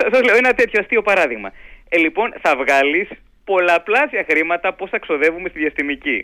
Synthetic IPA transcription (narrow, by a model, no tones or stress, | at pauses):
ɐsɐzleoenɐt̪e̞t̪çoɐst̪io̞pɐɾɐðiɣmɐ̰elipo̞nθɐvɣɐlis | po̞lɐplɐsjɐxɾimɐt̪ɐpo̞sθɐekso̞ðe̞vumest̪iðjɐst̪imici